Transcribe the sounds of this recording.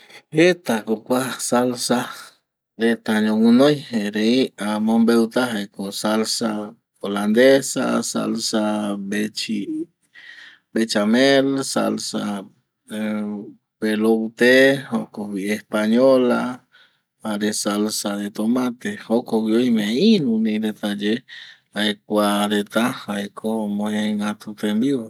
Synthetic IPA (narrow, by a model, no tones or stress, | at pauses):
et̪akokʷasalsa | d̪et̪aɲõŋũnojheɾeiamõmbewt̪aɦekosalsa | oland̪esa̰sa̰lsabet͡ʃi | bet͡ʃamelsa̰lsa | belot̪ehokowiehpaɲola | aɾesalsad̪et̪omãt̪ehokoɡjoimeinũnĩd̪et̪ad͡ʒe | ajkʷaɾet̪ahajkʰomoheŋat̪ut̪embi